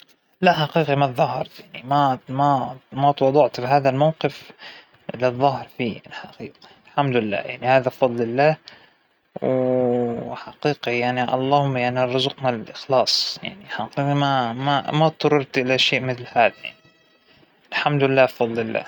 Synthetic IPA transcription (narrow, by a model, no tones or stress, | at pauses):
laʔħaqiːqimat̪ðːˤɑɦɑɾˤt̪jaʕnimamamat̪wɑd̪ˤɑʕt̪fiɦaːðalmawqɨf | lɪðˤːɑhɪɾˤfiːlħaqiːqi̥lħamd̪lɪlːa̰ːjaʕnihaːðafɑd̪ˤlɪlːaː | w | ħaqiːqijaʕniʔɑ̰lˤːɑːhʊmːajaʕnirˤːʊzʊqnalɪlʔɪxlɑːsˤja̰ʕniħaqiːqimamamat̪̚t̪ɑɾːɑɾt̪ʔɪlaʃeːʔmɪθlhaːðaja̰ʕni | ɪlħamd̪lɪlːaːfɑd̪ˤlɪlːa̰ː